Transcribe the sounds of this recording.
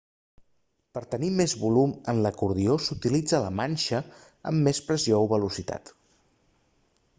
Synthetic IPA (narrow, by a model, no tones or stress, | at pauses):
pəɾt̪ənimezβulumənləkuɾðiosut̪ilid͡zələmanʲʃə | ə̰mːespɾəziouβəlusit̪a̰t̪